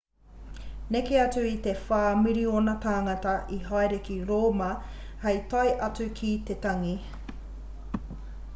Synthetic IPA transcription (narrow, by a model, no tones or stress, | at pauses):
nekeɐt͡sʉit̪e̞faːmiɾionɐtaːŋɐtɐʔiɦaeɾekiɾoːmɐ | hejt̪ɐjʔɐt͡sʉkʰit̪etɐŋi